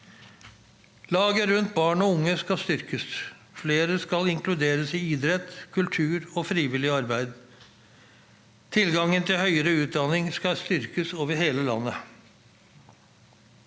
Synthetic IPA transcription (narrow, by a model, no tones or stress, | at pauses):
lɑːɡəɾʉnt̪̚bɑːɳɔʊŋːəskɑst̪ʏɾkəs | fleːɾəskɑlɪŋklʉd̪eːɾəsɪiːd̪ɾɛt̪kʰʉlt̪ʰʉːɾɔːfɾiːʋɪlɪɑɾbæɪd̪ | t̪ʰɪlɡɑŋːənt̪ʰɪlhœʏəɾəʉːt̪̚d̪ɑnɪŋskɑst̪ʏɾkəsoːʋəɾheːləlɑ̰nːə